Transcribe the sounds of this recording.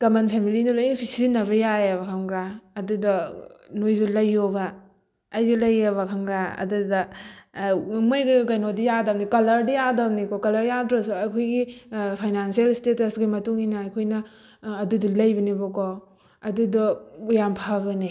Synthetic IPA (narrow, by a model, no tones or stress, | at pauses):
kɐmɐnpʰemilinulojipʰisinɐbɐjajeβɐkʰaŋɡɾaɐdudɐnojzulɐjːobaː | jzulɐjɐβɐkʰaŋɡɾaɐ̰dudɐ | mojɡikajnodijadɐmnikɐlɐɾdijadɐmnikɔkɐlɐɾjadɾɐsuɐjkʰojɡipʰajnansielstetɐsɡimɐtuŋinɐɐjkʰojnɐː | dudulɐjbɐnibɔkɔ | ɐdudɔujampʰabɐni